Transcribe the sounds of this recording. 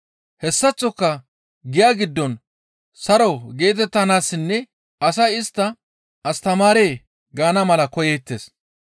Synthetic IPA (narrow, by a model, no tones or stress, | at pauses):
hɛsːɐt͡sʼːɔkːɐ | ɡɪjaːɡɪd̪ːɔn | sɐɾɐwɡe̞ːt̪̬ɛt̪ːɐnaːsːɪnːɛ | ɐsɐjɪst̪ːɐ | ʔɐst̪ɐmaːɾe̞ː | ɡaːnɐmɐlɐkɔjeːt̪ːeːs